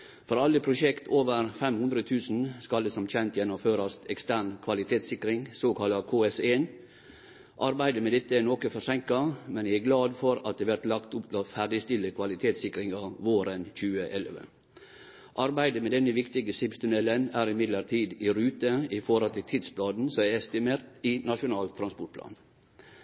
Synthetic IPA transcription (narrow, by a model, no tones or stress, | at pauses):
fɔɾɑlːəpʰɾʊʃɛkt̪ʰoːʋəɾfɛmhʉnd̪ɾət̪ʰʉːsn̩skɑld̪ɛsɔmc͡çɛnt̪jɛnːʊmføːɾɑst̪ɛkst̪æːɳkʰʋɑlɪt̪ʰeːt̪sɪkɾɪŋsoːkʰɑlːɑkʰoːɛseːn | ʔɑɾbæɪd̪əmɛd̪ɛt̪ːəɛnoːkəfɔɾʂɛŋkɑmɛnææɡlɑːd̪fɔɾɑt̪̚d̪ɛːʋæɾt̪lɑkt̪ʊpt̪ʰɪlɔfæɖɪst̪ɪlːəkʰʋɑlɪt̪ʰeːt̪sɪkɾɪŋɑʋoːɾənçʉːəʔɛlʋə̰ | ʔɑɾbæɪd̪əmɛd̪ɛnːəʋɪkt̪ɪɡəsɪpst̪ʉnɛlːənæːɾɪmɪd̪ləɾt̪ʰiːd̪ɪɾʉːt̪əɪfɔɾɔlt̪ʰɪlt̪ʰɪd̪sblɑːd̪n̩sɔmæɛst̪ɪmeːɾt̪ɪnɑʂʊnɑːlt̪ʰːɾɑnspɔʈ̚pʰlɑ̰ːn